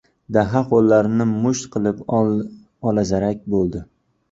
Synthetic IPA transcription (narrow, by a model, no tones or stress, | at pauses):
d̪aɦaqolːaɾnɪmʊʃt̪qʰɨlˠɪp | ɒlˠazaɾakʲbolˠd̪ɪ